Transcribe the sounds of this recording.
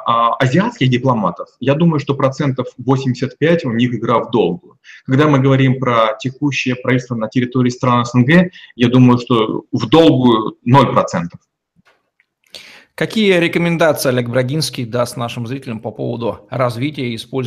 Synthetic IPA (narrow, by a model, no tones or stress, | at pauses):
ɐzʲɪat̪skʲɪxdʲɪplˠɐmat̪əfjad̪uməjʊʂt̪o̞pɾɐt̪sɛnt̪əfvosʲɪmʲdʲɪsʲət̪pʲætʲʊnʲixɪɡɾavd̪o̞lˠɡʊjʊkɐɡd̪amɨɡəvɐɾʲimpɾətʲɪkuɕːɪjəpɾɐvit̪ʲst̪vənətʲɪɾʲɪt̪oɾʲɪːst̪ɾanəɛsənɡɛjad̪uməjʊʂt̪o̞vd̪o̞lˠɡʊjʊno̞lʲpɾɐt̪sɛnt̪ə̥f | kɐkʲijəɾʲɪkəmʲɪnd̪at̪sɨɪɐlʲeɡ̚bɾɐɡʲinskʲijd̪ast̪naʂɨmzɾʲitʲɪlʲəmpɐpo̞̰və̰d̪ʊɾɐzvʲitʲɪjəɪspolʲ